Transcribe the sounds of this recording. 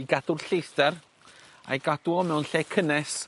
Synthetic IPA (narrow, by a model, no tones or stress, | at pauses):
iɡadʊrɬejsdɛr | a̰jɡadwɔmɛwnɬɛkʰənɛs